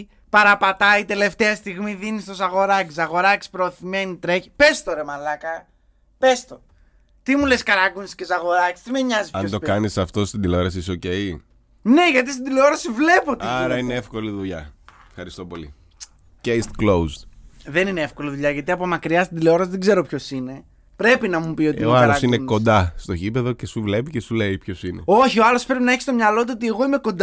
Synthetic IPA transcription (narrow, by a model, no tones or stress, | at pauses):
pɐɾɐpɐt̪ɐit̪e̞le̞ft̪eɐst̪iɣmiðinist̪osɐɣo̞ɾɐcisɐɣo̞ɾɐci̥spɾo̞ːθime̞nit̪ɾeçpe̞st̪oɾemɐlɐkɐ | pe̞st̪o̞ | t̪imuleskɐɾɐɡunscesɐɣo̞ɾɐci̥st̪imeɲɐzispɐot̪o̞kɐnisɐft̪o̞st̪ind̪ileo̞ɾɐs̬isoce̞j | ne̞ʝɐt̪ist̪ind̪ileo̞ɾɐsivle̞po̞t̪iɐɾɐineefko̞liðuʎɐ̰efxɐɾist̪o̞po̞li | ceist̪klowzd̪ðe̞nineefko̞liðuʎɐʝɐt̪iɐpomɐkɾiɐst̪id̪ileo̞ɾɐsiðeɡze̞ɾopço̞sine̞ | pɾe̞pinɐmupio̞t̪iɐlosineko̞nd̪ɐst̪o̞çipe̞ðo̞cesuvle̞picesuleipço̞sinḛo̞çioɐlo̞spɾe̞pinɐe̞çist̪o̞mɲɐlo̞t̪uo̞t̪̬ie̞ɣo̞ime̞ko̞nd̪